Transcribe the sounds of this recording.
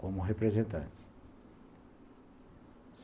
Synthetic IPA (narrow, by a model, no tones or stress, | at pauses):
komʊɦepɾezẽnt̪ɐ̰̃nt̪i̥ | s